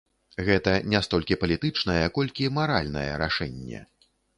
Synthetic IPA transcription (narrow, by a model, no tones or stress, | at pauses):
ɣɛt̪ɐnʲast̪ɔlʲkʲipɐlʲit̪ɨt͡ʂnɐjɛkɔlʲkʲimaɾa̰lʲnɐ̰jɛ̰ɾaʂɛnʲːɛ̰